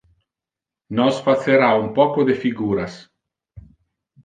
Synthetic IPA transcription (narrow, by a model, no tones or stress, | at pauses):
nɔsfat̪seɾaumpɔkod̪efiɡuːɾas